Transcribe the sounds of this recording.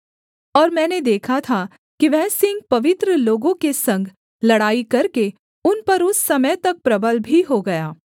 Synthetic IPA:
ɔːɾmɛ̃ːned̪eːkʰat̪ʰa | kiʋɛɦsɪ̃ŋɡ̚pɐʋɪt̪ɾəloːɡõkesɐ̃ŋɡʱ | lɐɽaːikɐɾke | ʊnpɐɾʊsːɐməjt̪ɐk̚pɾɐbəlbʱiɦoɡɐjaː

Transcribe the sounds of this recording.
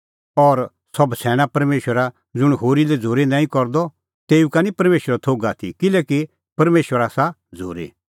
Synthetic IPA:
ɔːɾ | sɔbsʰɛːɽ̃apɐɾmeːʃwəɾa | d͡zʊɽ̃ɦoːɾilɛd͡zʱoːɾenãːĩkɔɾd̪ɔ | t̪eːukanĩpɐɾmeːʃwəɾat̪ʰoːɡat̪ʰḭkɪlɛːki | pɐɾmeːʃwəɾaːsa | d͡zʱo̰ːɾḛ

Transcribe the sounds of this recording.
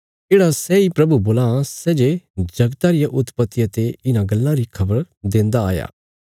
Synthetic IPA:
d͡ʒeːɽasɛːipɾɐbuboːlãsɛːd͡ʒed͡ʒɐɡt̪aɾɪjaʔʊt̪pət̪ːiət̪eɪnãɡɐlːãɾikʰɐbəɾ | d̪ẽːnd̪aa̰ːja̰ː

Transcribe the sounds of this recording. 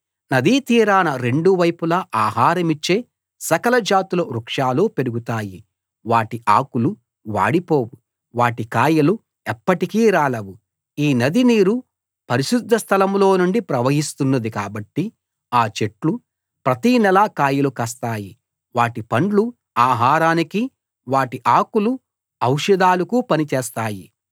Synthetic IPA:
nɐd̪iːt̪iːɾaːnɐɾe̞ɳɖuʋɐjpulɐʔaːɦaːɾɐmit͡ʃːe̞ː | sɐkɐlɐd͡ʒaːt̪ulɐɾukʂaːluːpe̞ɾuɡut̪aːji | ʋaːʈiʔa̰ːkulu | ʋa̰ːɽipo̞ːwu | ʋaːʈikaːjɐlu | ɛpːɐʈikiːɾaːɭɐwu | iːnɐd̪iniːɾu | pɐɾiʃud̪ʱːɐst̪ʰɐlɐmlo̞ːnuɳɖipɾɐʋɐɦist̪unːɐd̪ikaːbɐʈːi | aːt͡ʃe̞ʈlu | pɾɐt̪iːnɛlaːkaːjulukɐst̪aːji | ʋaːʈipɐɳɖlu | aːɦaːɾaːniki | ʋaːʈiʔaːkulu | ɐwʂɐd̪aːlukuːpɐnit͡ʃeːst̪aːji

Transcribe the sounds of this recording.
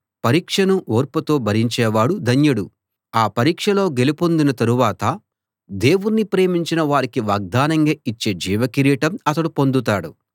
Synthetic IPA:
pɐɾiːkʂɐnuʔoːɾput̪o̞ːbʱɐɾiɲt͡ʃɛːʋaːɽud̪ʱɐɲjɐɽu | aːpɐɾiːkʂɐlo̞ːɡe̞lipond̪inɐt̪ɐɾuʋaːt̪ɐ | d̪e̞ːʋunnipɾe̞ːmiɲt͡ʃinɐʋaːɾikiʋaːɡ̚d̪aːnɐŋɡaːit͡ʃːe̞ːd͡ʒiːʋɐkiɾiːʈɐmɐt̪ɐɽupo̞nd̪ut̪̬aːɽu

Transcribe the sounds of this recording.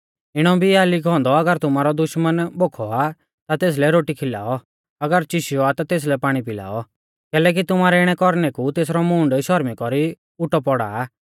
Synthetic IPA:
ɪɽ̃ɔbʱiaːliɡʱɔ̃ːnd̪ɔɐɡəɾt̪ʊmaːɾɔd̪ʊʃmənboːkʰɔa | t̪at̪eːs̬lɛɾoːʈikʰɪla̰ːɔ | ɐɡəɾt͡ʃɪʃɪjɔat̪at̪eːs̬lɛpaːɽ̃ipɪla̰ːɔ | kɛːlɛːk̬it̪ʊmaːɾɛɪɽ̃ɛkɔɾnɛkut̪eːsɾɔmʊ̃ːɳɖʃɔɾmikɔɾi | ʊʈɔpɔɽa̰ː

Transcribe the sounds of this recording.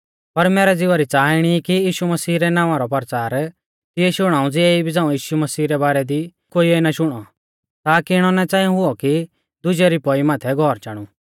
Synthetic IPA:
pɐɾmɛːɾɛd͡zɪʋaɾit͡saːɪɽ̃ikijiːʃumɐsiːɾɛnãːʋãɾɔpɐɾt͡saːɾ | t̪ɪɛʃʊɽ̃ãːũd͡zɪɛibid͡zãːũjiːʃumɐsiːɾɛbaːɾɛd̪i | koːiɛnaʃʊɽ̃ɔ | t̪aːkiɪɽ̃ɔnɛt͡sãːjũɦʊɔki | d̪ʊd͡ʒɛɾipɔimaːt̪ʰɛɡʱɔːɾt͡ʃaːɽ̃u

